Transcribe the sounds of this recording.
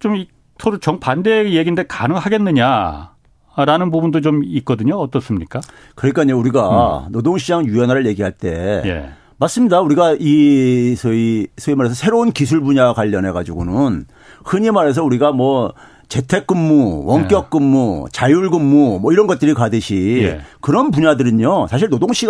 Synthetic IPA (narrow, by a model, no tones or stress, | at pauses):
t͡ɕomi | tʰoɾut͡ɕʌŋpande̞jeɡindekanɯŋɦaɡenːɯɲa | ɾanɯnbubundot͡ɕomik̚k͈ʌdɯɲoʌt͈ʌs͈ɯmɲik͈a | kɯɾʌɲik͈aɲouɾiɡanodoŋɕʰid͡ʑaŋjujʌnɦaɾɯɭje̞ɡiɦaɭt͈e̞̰jḛ | mas͈ɯmɲidauɾiɡaisʰisʰoimaɾe̞sʰʌsʰe̞ɾounkis̬ʰuɭbuɲakwaʎːʌnɦe̞ɡad͡ʑuɡonɯn | hɯɲimaɾe̞s̬ʰʌuɾiɡamwʌ | t͡ɕe̞tʰe̞k͈̚ɯmːuwʌŋk͈jʌk̚k͈ɯmːut͡ɕajuɭɡɯmːumʌiɾʌnɡʌt̚t͈ɯɾikadɯɕʰḭkɯɾʌnpuɲadɯɾɯɲosʰaɕ̬ʰiɭnodoŋɕʰi